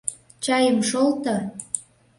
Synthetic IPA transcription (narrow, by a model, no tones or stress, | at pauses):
t͡ɕɑjəmʃolt̪ɤ̆